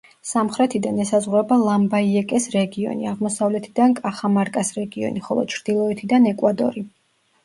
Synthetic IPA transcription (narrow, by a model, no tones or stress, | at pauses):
samχɾɛt̪ʰid̪anɛsazʁɾɛbalˠambaiɛkʼɛsɾɛɡiɔ̰nḭaʁmɔsavlɛt̪ʰid̪ankʼaχamaɾkʼasɾɛɡiɔ̰niχɔlˠɔ̰t͡ʃʰɾd̪̥ilˠɔɛt̪ʰid̪anɛkʼwad̪ɔ̰ɾi